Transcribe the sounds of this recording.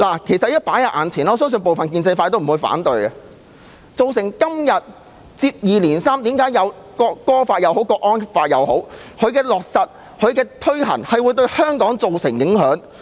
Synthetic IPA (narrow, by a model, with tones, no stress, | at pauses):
laː˨˩kʰe˨˩jsɐ˨t̚jɐ˥t̚paː˨˥jɐ˨ʔa̰ː˨˩nt͡sʰiː˨˩nɔː˧˨˧s̬œː˥ŋsɵ˧npo˨wfɐ˨nkiː˧nt͡sjfaː˧t̪o˥wm̩˨˩uː˨˧jfa̰ː˨˥nt̪ɵ˧ɥɐ˨ | t͡so˨wsɪ˨˩ŋkɐ˥mjɐ˨t̚ | t͡siː˧p̚jiː˨liː˨˩nsaː˥mt̪iː˨˥mkaː˨˥jɐ˨˧w | kɔː˧kːɔː˥faː˧t̚jɐ˨who˨˥wkɔː˧k̚ʔɔː˥nfaː˧t̚jɐ˨˧who˨˥wkʰɵ˨˧ɥkɛː˧lɔː˨k̚sɐ˨t̚ | hʰɵ˨˧ɥkɛː˧t̪ʰɵ˥ɥhɐ̰˨˩ŋhɐ˨jwuː˨˧jt̪̬ɵ˧ɥhœː˥ŋkɔː˨˥ŋt͡so˨wsɪ˨˩ŋjɪ˨˥ŋhœː˨˥ŋ